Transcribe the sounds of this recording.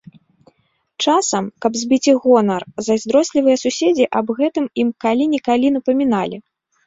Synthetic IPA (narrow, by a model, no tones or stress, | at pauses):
t͡ʂasɐmkɐbzʲbʲit͡sʲiɣɔnɐrzɐzʲd̪ɾɔsʲlʲivɨjɐsusʲed͡zʲiʔɐbɣɛt̪ɨmimkalʲinʲikalʲinɐpɐmʲinalʲi